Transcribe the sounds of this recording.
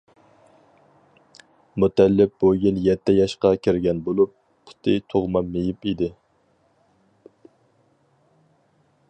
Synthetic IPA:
mut̪ɛlːɪp̚bujiljɛt̪ʰːɛjɑʃqɑkʲʰiɾɡʲɛnbolˠupːʰ | ʊ̥t̪ʰɪt̪ʰoʁmɑmːejipid̪ɪ

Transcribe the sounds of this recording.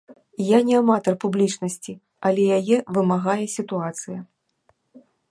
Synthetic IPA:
janʲɛamat̪ɐrpublʲit͡ʂnɐsʲt͡sʲi | ɐlʲɛjajɛvɨmaɣajɛsʲit̪uat̪sɨjɐ

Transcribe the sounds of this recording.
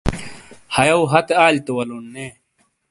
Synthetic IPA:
hɐjɐwɦɐt̪eaːlt̪ewɐlonːeː

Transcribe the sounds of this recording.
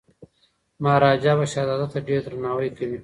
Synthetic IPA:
maːɾaːd͡ʒabaʃad̪aːd̪at̪aɖeːɾd̪ɾanaːwəjkawi

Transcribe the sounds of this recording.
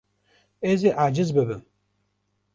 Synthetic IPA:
eːzeʔad͡ʒɪzbɨbɨm

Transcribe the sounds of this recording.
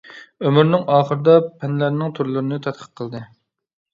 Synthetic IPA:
ømyɾnɪŋɑːχəɾɨd̪ɑpʰɛnlæɾnɪŋt̪ʰuɾlˠɨɾɨnɨt̪ʰɛt̪̚qʰə̥q̚qʰːəlˠd̪ɨ

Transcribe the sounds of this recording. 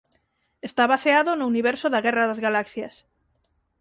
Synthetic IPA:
est̪aβaseaðonʊuniβɛɾsoðaɣɛraðazɣalaksjɐs

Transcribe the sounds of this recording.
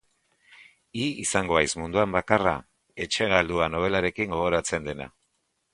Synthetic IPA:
iisaŋɡo̞ajzmund̪uambakara̰ | e̞t͡ʃe̞ɣald̪uano̞β̞e̞laɾe̞kiŋɡo̞ɣo̞ɾat͡se̞nd̪e̞na̰

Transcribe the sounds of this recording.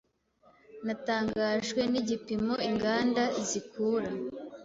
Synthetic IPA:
nataːŋɡaːʒɡwe̞niɟipimo̞iŋɡaːndazikuːɾa

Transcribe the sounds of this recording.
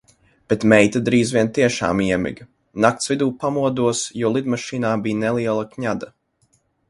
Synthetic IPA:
b̥et̪mɛjt̪ad̪ɾiːzvʲiɛnt̪iɛʃa̰ːmiɛmʲḭɡ | nak̚t̪svid̪uːpamuɔd̪uɔsjuɔlˠid̪maʃiːnaːbiːnɛlˠiɛlˠakɲad̪a

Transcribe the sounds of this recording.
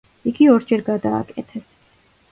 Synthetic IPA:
iɡiɔɾd͡ʒɛɾɡad̪a̰ːkʼɛ̰t̪ʰɛs

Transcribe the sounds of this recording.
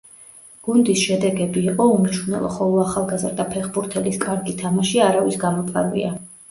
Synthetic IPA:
ɡ̥und̪isʃɛd̪ɛɡɛbiːqʼɔumt͡ʃʰvunɛ̰lˠɔ̰χɔlˠɔaχalˠɡazɾd̪apʰɛχbuɾt̪ʰɛliskʼaɾɡit̪ʰamaʃiaɾavisɡamɔpʰʼa̰ɾvḭa

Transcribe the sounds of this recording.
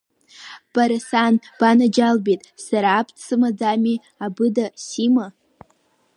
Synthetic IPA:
b̥aɾasanb̥anad͡ʒalbitʼsaɾaːpʰt͡sʰɨmad͡zami | abɨdasima

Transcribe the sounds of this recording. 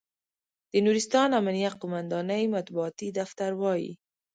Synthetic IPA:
d̪̥ənuɾist̪ɑnamanijaqʊmand̪ɑnəjmat̪̚buɑt̪id̪aft̪aɾwɑjḭ

